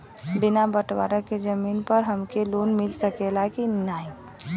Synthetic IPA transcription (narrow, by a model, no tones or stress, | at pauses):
bɪnabəʈwa̰ːɾəked͡ʒəmiːnpəɾɦəmkeloːnmɪlsəkelakinnaːi